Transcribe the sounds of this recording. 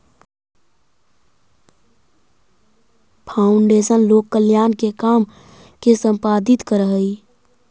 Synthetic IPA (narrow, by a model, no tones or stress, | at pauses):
pʰaːʊɳɖeːʃənloːkːəljaːnkekaːm | kesə̃mpaːd̪ɪt̪kəɾəɦəi